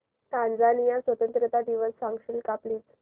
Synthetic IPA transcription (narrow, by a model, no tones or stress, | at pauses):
k̪ãnd͡zanijasʋət̪ənt̪ɾət̪ad̪iʋəsfaŋkʂənkapliːt͡s